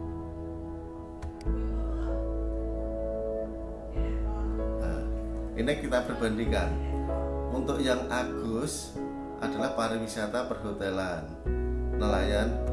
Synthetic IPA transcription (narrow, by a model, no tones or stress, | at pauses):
na̰ʔinikit̪apərb̥a̤nd̪iŋkan | unt̪ʊkjaŋʔaɡ̥ʊs | ʔad̥a̤lahpaɾɪŋwisaɾt̪apərhot̪elanː | əlajan